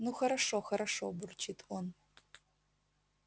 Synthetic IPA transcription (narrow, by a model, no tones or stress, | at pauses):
nuxɐɾaʂɔxɐɾaʂɔburt͡ɕit̪ɔn